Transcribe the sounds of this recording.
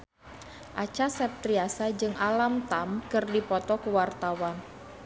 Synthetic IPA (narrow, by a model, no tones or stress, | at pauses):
ʔat͡ʃasat̪ɾiasad͡ʒɨŋʔalamt̪amkɨrdipɔt̪ɔkəwart̪awan